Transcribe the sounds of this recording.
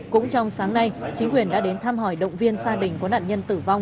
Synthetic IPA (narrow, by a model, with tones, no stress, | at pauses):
kʊ̰˧˥ŋ͡mt͡ɕɔ˧wŋ͡msaː˨˦ŋna˧jt͡ɕï˨˦ŋ̟kwi˨˩ənɗa̰ː˧˥ɗe˨˦nt̪ʰaː˧mɦɔ˧˩jɗə̰˧˨wŋ͡mvi˧ənsaː˧ɗï˨˩ŋ̟kɔ˨˦na̰ː˧˨nɲə˧nt̪ɨ˧˩va˧wŋ͡m